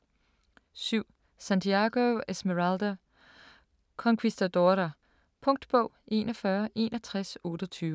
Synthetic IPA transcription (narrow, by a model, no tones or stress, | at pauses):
syʊ̰ | sænt͡sʰiaɡ̥oesmeʁɑld̥o | kʰɒ̽ŋkʰwisd̥ɐd̥oɾɐ | pʰɔ̽ŋ̰d̥b̥ɔʊ̰ʔe̝̰ːnɒfɶːɐʔe̝̰ːnɒt͡sʰʁasɔ̽ːd̥ɐt͡sʰyːʋə